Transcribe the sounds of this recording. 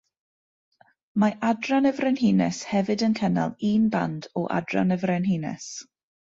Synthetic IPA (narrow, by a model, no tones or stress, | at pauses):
maʔadranəvrɛnhiːnɛshɛvɨdənkʰəna̰lˠiːnba̰ndɔʔa̰dra̰nəvrɛnhinɛ̰s